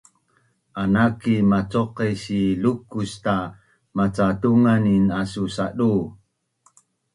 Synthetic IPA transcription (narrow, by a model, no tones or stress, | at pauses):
ʔanakimat͡soqisilukusta | mat͡satuŋaninasusaɗu